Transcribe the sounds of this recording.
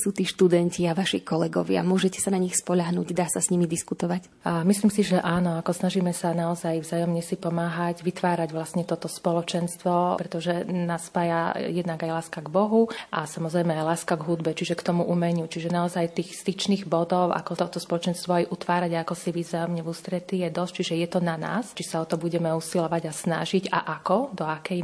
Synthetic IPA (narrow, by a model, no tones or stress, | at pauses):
suːt̪iːʃt̪ud̪ɛnciaʋaʃikɔlɛɡɔ̰ʋɪa̰mʊɔʒɛcɛ̥sanaɲixspɔʎaɦnṵːɟd̪aːsasɲimid̪iskut̪ɔʋac | misliːmsiʒɛʔaːnɔakɔsnaʒiːmɛsanaɔzajvzaːjɔmɲɛsipɔmaːɦaɟʋit̪ʋaːɾaɟʋlasɲɛt̪ɔt̪ɔspɔlɔt͡ʃɛnst̪ʋɔpɾɛt̪ɔʒɛnaspaːjajɛd̪naɡajlaːskaɡbɔɦuʔasamɔzɾɛjmɛajlaːskaɡɦud̪bɛt͡ʃiʒɛkt̪ɔmuʔumɛɲut͡ʃiʒɛnaɔzajt̪iːxst̪it͡ʃniːɣbɔd̪ɔʊʔa̰kɔt̪ɔt̪ɔspɔlɔt͡ʃɛnst̪ʋɔajʔut̪ʋaːɾaɟaakɔsiʋizajɔmɲɛvust̪ɾɛt̪ijɛd̪ɔst͡ʃiʒɛjɛt̪ɔnana̰ːst͡ʃisaɔt̪ɔbuɟɛmɛusilɔʋaɟasna̰ʒiɟa̰ʔakɔd̪ɔakɛj